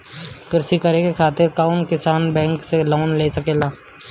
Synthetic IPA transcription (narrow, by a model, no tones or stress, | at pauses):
kɪɾsikɐɾekekʰaːt̪ɪɾkaʊnkɪsaːnbɛ̃ːŋkseloːnleːsɐkeːlaː